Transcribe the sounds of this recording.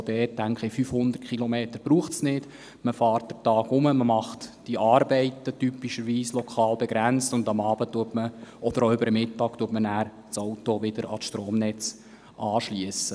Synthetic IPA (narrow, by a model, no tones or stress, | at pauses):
d̥̪ɛːt̚tːæŋkχəfyfhʊnd̪ərt̚kʰχilɔmeːt̪əɾb̥ɾuːχtsnɪd | məfɑːrt̚d̥ətɑːɡʊməməmɑχtd̥iʔɑːrbɛɪtətypːiʃəɾʋiːslɔkʰɑːlbɛɡɾænt͡stʊndɑmɑːbət̪uətməɔd̥̪əɾoʏbəɾəmɪtːɑːktuətmənæːɾ | t͡sowtoʋɪd̥əɾʔɑ̰ʃtɾoːmnɛt͡s | ʔɑːʃliəsə